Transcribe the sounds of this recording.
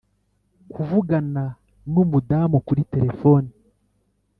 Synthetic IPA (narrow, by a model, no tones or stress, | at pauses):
kʰuvuɡana | numudaːmukuɾite̞ɾe̞fo̞ːni